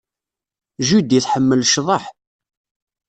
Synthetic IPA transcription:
ʒud̪iθħəmːəlʃðˤɑħ

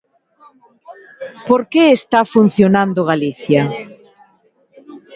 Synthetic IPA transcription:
poɾkeest̪afun̟θjonãnd̪oɣaliθja

